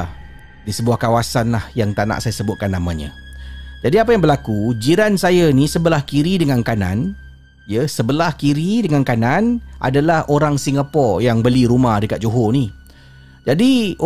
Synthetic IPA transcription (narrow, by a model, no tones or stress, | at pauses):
disəbuahkawasanlahjaŋt̪ana̰ʔsajasəbʊt̪̚kanːamãɲə̰̃d͡ʒadiapajaŋbəlakud͡ʒiɾansajanisəbəlahkiɾidəŋankanã̰n | jəsəbəlahkiɾidəŋankanãnʔa̰dalahoɾaŋsiŋɡapɔrjaŋbəliɾumahdəka̰t̪̚d͡ʒoɦoni | d͡ʒadi